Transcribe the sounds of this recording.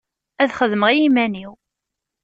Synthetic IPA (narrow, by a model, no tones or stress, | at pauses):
æðχəðməʁijimæniw